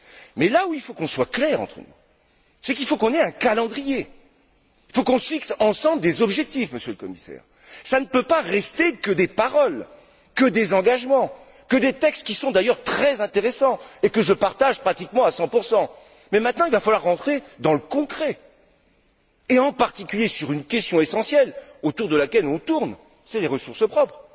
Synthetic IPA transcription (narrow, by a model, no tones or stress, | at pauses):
mɛlauilfokɔ̃swaklɛʁɑ̰̃t̪χə̰nṵ | sɛkilfokɔ̃nɛɛ̃kalɑ̃d̪ʁije | ilfokɔ̃səfiksɑ̃sɑ̃bləd̪ezɔbʒɛk̚t̪ifməsjøləkɔmisɛ̰ːʁ | sanəpøpaʁɛst̪ekəd̪epaʁɔl | kəd̪ezɑ̃ɡaʒmɑ̃ | kəd̪et̪ɛkst̪̚kʲisɔ̃d̪ajœʁt̪χɛzɛ̃t̪eʁesɑ̃ekəʒəpaʁt̪aʒpχat̪ikmɑ̃asɑ̃puʁsɑ̃ | mɛmɛ̃t̪nɑ̃ilvafalwaʁːɑ̃t̪χed̪ɑ̃ləkɔ̃kχɛ | eɑ̃paʁt̪ikʲyljesyʁynkʲɛst̪jɔ̃esɑ̃sjɛlot̪uʁd̪əlakʲɛlɔ̃t̪uʁn | sɛleʁəsuʁsəpχɔpχ